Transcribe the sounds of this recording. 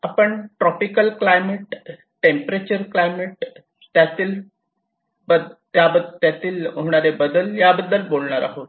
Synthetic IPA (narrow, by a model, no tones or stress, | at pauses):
apəɳʈɾɔpikəlklajmeʈ | ʈempɾet͡ɕəɾklajmeʈ | t̪jat̪iːl | bəd̪t̪jabət̪jat̪iːlɦoɽ̃aɾebəd̪əljabəd̪ːəlbolɳaɾa̰ɦot̪